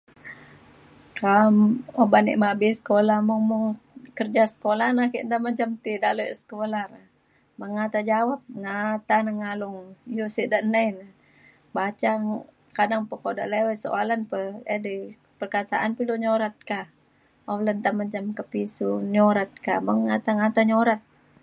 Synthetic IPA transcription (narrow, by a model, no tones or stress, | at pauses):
kamobanḭʔmabisə̥kolahmɔŋmɔŋkərd͡ʒasə̥kolanahkiʔnt̪aməd͡ʒamt̪idaʔlosə̥kolar | maŋat̪ad͡ʒawap̚ŋat̪anaŋalʊŋjosiʔdaʔnajna | bat͡ʃaŋ | kadaŋpəkoda̰ʔlewɛso̰ʔalanpəədi | pərkat̪aʔanpiluɲoɾat̪̚ka | olənt̪aməɲd͡ʒamkəpisuɲoɾat̪̚ka̰məŋːat̪aŋat̪aɲoɾat̪̚